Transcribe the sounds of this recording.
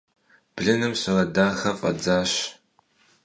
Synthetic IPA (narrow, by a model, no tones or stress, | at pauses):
b̥ɮɨnɨmɕɐrɐdaːxɐfʼɐ̰d͡zaːɕ